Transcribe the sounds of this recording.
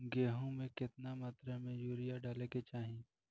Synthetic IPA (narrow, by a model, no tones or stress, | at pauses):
ɡeːɦõmẽkɪt̪namat̪ɾəmẽjuːɾɪjaɖaːleket͡ʃaːɦĩ